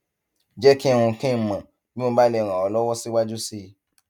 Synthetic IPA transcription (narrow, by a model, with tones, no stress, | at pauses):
d͡ʒɛ˦ki˦ɛ˧w̃ũ˧kẽ˦˨mã˨ | bĩ˦õ˧˦ba˦lɛ˧˨ɾ̃ã˨ɔ˨˧lɔ˦wɔ˦si˦wa˦d͡ʒu˦si˦˧